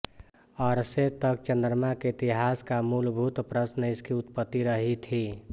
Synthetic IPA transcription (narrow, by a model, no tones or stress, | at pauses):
ɔɾset̪ək̚t͡ʃənd̪ɾmakeit̪iɦaskamulbʱut̪pɾəsnəɪskiut̪pət̪ːiɾəɦit̪ʰi